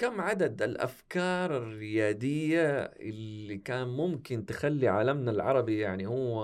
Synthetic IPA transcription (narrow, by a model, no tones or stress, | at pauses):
kamːʕad̪ad̪ɪlʔa̰fkɑːɾˤɪrːɪjaːd̪ɪjːaʔɪ̰lːikaːnmʊmkɪnt̪ɪxalːiʕa̰lamnalʕɑ̰ɾˤɑbijaʕnihʊwː